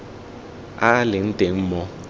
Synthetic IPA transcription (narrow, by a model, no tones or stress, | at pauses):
alɪn̩teŋ̩mɔ